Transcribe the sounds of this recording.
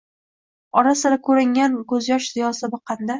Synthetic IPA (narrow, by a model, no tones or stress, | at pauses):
ɒɾasɪɾakʰɵɾɪŋʲankɵzjɒʃzɪjɒsɪbɪqʰɑnd̪a